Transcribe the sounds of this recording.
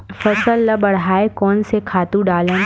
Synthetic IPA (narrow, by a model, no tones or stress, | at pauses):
fɐsəlːɐbɐɽ̤ɦaːekɔːnsekʰaːt̪ũɖaːlən